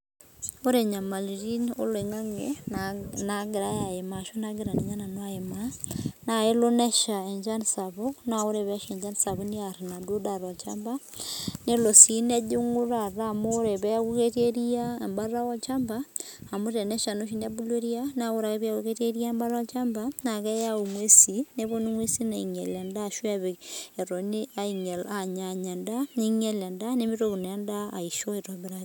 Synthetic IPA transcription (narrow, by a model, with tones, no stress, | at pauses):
o˦ɾe˨ɲa˨ma˨lɾi˦no̰˦lwe˨ŋa˦ŋe | naɡe˨ɾa˦ja˨ema˨ʃo˦na˦ɡeɾane˨ɲa˦na˨nwa˦emana˨e˦lo˦ne˦ʃae˨ɲd͡ʒansaβonao˦ɾe˨βɛʃe˨ɲd͡ʒanisaβoniaɾa˨na˨do˦da˨ɾɔ˨t͡ʃamba | ne˦losine˦du˦ŋu˦ɾaɾamoɾe˨βɛɣukete˦ɾia˨mba˦ra˦ɔ˦t͡ʃa˦mbaː˦˨mo˦ɾe˨ne˦ʃa˨no˦ʃ̬i˦n˦a˦bu˦lwe˦ɾi˦a˦na˦ɣo˦ɾa˨ke˦βi˦a˦kuke˦te˦ɾi˦a˦mba˦ɾa˦ɔ˦t͡ʃa˦mba˦na˨kɛ˦ja˦u˨ŋwe˦si˨ne˦βo˦ni˦ŋwe˦si˦na˨i˨ŋe˨la˨nda˦˨ʃwa˦βe˨e˨ɾo˨ni˦a˦i˨ɲe˨la˨ɲa˨ɲa˨nda˦ni˦ŋe˦la˨nda˦ne˦mi˦ɾoku˨n˨a˦nda˦a̰˨iʃo˦e˨toβeɾa